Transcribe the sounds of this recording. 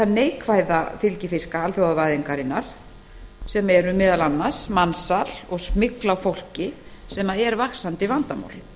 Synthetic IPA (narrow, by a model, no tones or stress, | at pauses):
θaneːjkʰvaːjðafɪlcɪfɪskaalθjowðavajðɪŋkaɾɪnːaɾ̥ | sɛmɛɾʏmɪːðalanːḁsmansalɔɣsmɪklawfowl̥cɪsɛmaɛɾvaxsant̪ɪvant̪ama̰wl